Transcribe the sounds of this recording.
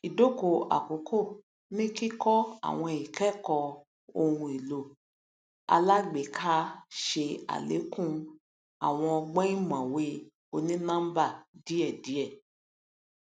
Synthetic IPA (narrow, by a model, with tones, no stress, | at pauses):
i˨do˦˨ko˨a̰˨ko˨˦kʰo˦˨ | nĩ˦ki˦kɔ˦a̰˨w̃ɔ̃˧˨i˨kɛ˦kɔ˧ | o˧hũ˧i˨lo˨ | a̰˧la˦ɡ͡be˨kʰa˦ʃe˧a̰˨lḛ˨˦kũ˦˨ | a˨w̃ɔ̃˧ɔ˧ɡ͡bɛ̃˦ĩ˦mã˨we˦ | o˧nĩ˦nã˦m˦ba˦˨di˨˦ɛ˦˨di˨˦ɛ˦˨